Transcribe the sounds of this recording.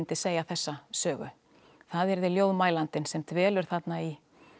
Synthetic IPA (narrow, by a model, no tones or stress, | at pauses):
nt̪ɪseːjaθɛsːasœːɣʏ̰ | θaðɛɾðɪljoːwðmaːjlant̪ɪnsɛmt̪ʰvɛːlʏɾ̥θat̪nai